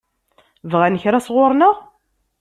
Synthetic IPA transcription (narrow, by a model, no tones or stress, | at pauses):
vʁænəçɾasʁʊɾˤnəʁ